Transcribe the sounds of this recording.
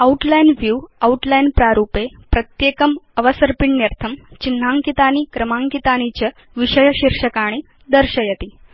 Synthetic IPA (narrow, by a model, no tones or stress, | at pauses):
ɐuʈlajnʋjuauʈlajnpɾaɾupepɾət̪jekəməʋəsəɾpiɳːjeɾt̪ʰəmt͡ɕinːaŋkit̪aniːkɾəmaŋkit̪añit͡ɕə | ʋiɕəjɕiɾʂəkaɽ̃iː | d̪əɾɕəjet̪iː